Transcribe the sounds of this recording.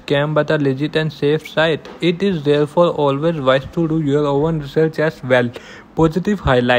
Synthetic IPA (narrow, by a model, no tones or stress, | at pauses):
kɛ̃mbaɪt̪əled͡ʒɪʈɛ̃ɳɖseːfsaɪʈɪʈɪzd̪eːɾfɔːɾɔːlʋezʋaɪsʈuɖujoəɾõːə̃nɾɪsəɾt͡ʃɛzʋɛl | pɔːzɪʈiʋhaɪlaɪ